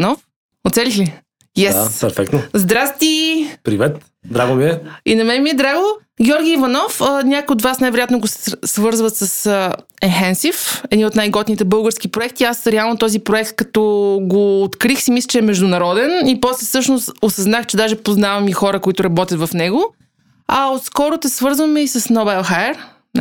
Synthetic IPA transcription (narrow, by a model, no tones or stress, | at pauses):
nɔf | ot̪sɛlixli | jɛspɛɾfɛk̚t̪nozd̪ɾast̪ipɾivɛt̪ | d̪ɾaɡomiɛinɐmɛmiɛd̪ɾaɡo | ɡʲɛɔɾɡʲiːvɐnɔfənʲakojotd̪vasnajvɛɾojat̪noɡosɛ̥svɤɾzvət̪sɐsəɛnxɛnsifɛd̪niot̪najɡɔt̪nit̪ɛbɤlˠɡəɾskipɾoɛk̚t̪iasɾɛalˠnot̪ɔzipɾoɛk̚t̪̚kɐt̪ɔɡoːt̪kɾixsimislɛt͡ʃɛɛmɛʒd̪ʊnɐɾɔd̪ɛnipɔslɛfsɤʃnost̪osɐznaxt͡ʃɛd̪aʒɛpoznavɐmixɔɾəkoit̪ʊɾɐbɔt̪ʲət̪vɐfnɛɡo | ɐot̪skɔɾot̪ɛsvɤɾzvɐmɛisɐsnobalˠxaɛɾ